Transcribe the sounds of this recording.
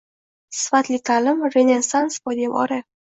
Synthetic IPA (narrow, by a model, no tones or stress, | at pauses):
sfat̪lit̪ʰalɪmrenʲesanspɔd̪ʲemɒ̰ɾe